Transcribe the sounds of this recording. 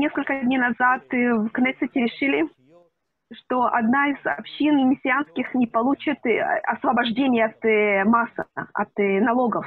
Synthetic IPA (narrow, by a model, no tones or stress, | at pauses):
nʲe̞skəlʲkədʲnʲejnɐzat̪vknɛt̪sətʲɪɾʲɪʂɨlʲɪ | ʂt̪oʔɐ̰d̪naɪz̥ɐ̰pɕːinmʲɪsʲɪanskʲɪxnʲɪpɐlˠut͡ɕɪt̪ɐ̰svɐbɐʐdʲenʲɪjəɐt̪masəɐ̰t̪nɐlˠoɡəf